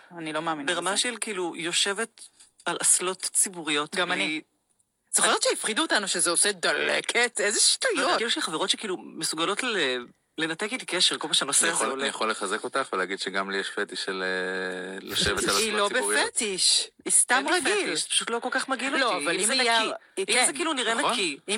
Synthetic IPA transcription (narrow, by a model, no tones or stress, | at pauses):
anilomaːminnbeʁamaʃelkiiːlujo̞ʃe̞vet | alʔaslo̞tt͡sibuʁijo̞t̪ɡamani | zχajott͡ʃeifχiduotanuʃezeosed̪alḛkʰetezeʃtujoiluʃelχaveʁo̞tʃekiːlumesuɡalo̞te | le̞natekitikeʃeʁkolmaʃeanosejχoanijaχolːeχazeko̞taχveleaɡid̥ʃeɡamlijeʃfetiʃelelaʃevealilobeijet̪iʃist̪amʁafeiliʃzpḁʃutlo̞kolkaχmaɡiloloavalimnai | iizekiluniʁenaki